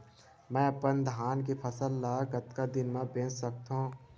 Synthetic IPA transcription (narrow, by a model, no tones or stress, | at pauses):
mɛ̃ːɐpənd̪ʱaːnk̬ipʰəsəlːaːɡət̪kad̪ɪnmãbẽːt͡ʃsək̚t̪ɦũː